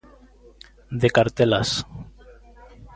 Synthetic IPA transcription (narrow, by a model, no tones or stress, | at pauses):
d̪ekaɾt̪elas